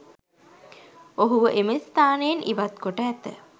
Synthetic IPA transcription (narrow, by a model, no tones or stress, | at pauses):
oɦuʋəʔemist̪aːneːnʔiʋat̪koʈəːt̪ə